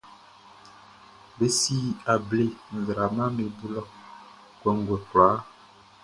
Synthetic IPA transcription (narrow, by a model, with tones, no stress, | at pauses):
be˦si˦a˨ble˦˨n̩˨zɾa˨ma˦me˨bu˦lɔ˦˨ | kwɛ˨ŋ˦ɡwɛ˨ka˨˦